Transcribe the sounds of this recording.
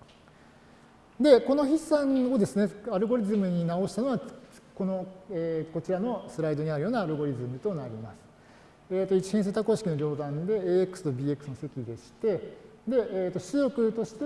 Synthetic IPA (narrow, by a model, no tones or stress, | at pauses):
d̪e̞ko̞no̞çisãŋɡod̪e̞sɨne̞aɾɯ̟ɡo̞ɾʲizɨmɯ̟ɲ̟inao̞ɕi̥t̪ano̞βa | ko̞no̞eko̞t͡ɕiɾano̞sɨɾaid̪o̞ɲ̟iaɾɯ̟jo̞ːnaːɾɯ̟ɡo̞ɾʲizɨmɯ̟t̪o̞naɾʲimasɨ̥ | eːt̪ːo̞it͡ɕi̥hẽs̬et̪ako̞ːɕi̥kʲino̞ɾʲo̞ːd̪ãnd̪e̞eekɯ̟̥sɨ̥t̪obʲiːe̞kɯ̟̥sɨno̞se̞kʲid̪e̞ɕi̥t̪e̞d̪e̞ʔeːt̪ːo̞ɕijo̞kɯ̟t̪o̞ɕi̥t̪e